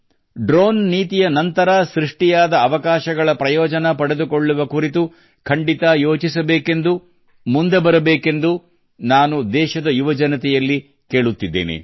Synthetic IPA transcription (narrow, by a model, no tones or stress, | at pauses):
ɖɾoːnːiːt̪ijɐnɐnt̪ɐɾɐsɾiʂʈijaːd̪ɐːʋɐkaːʃɐɡɐɭɐpɾɐjɔːd͡ʒɐnɐpɐɽed̪ukoɭːuʋɐkuɾit̪u | kʰɐɳɖit̪ajoːt͡ʃisɐbeːke̞nd̪u | mund̪ebɐɾɐbeːke̞nd̪u | naːnud̪ɛːʃɐd̪ɐjuʋɐd͡ʒɐnɐt̪ɛjɐlːi | ke̞ːɭut̪ːid̪ːḛːnḛ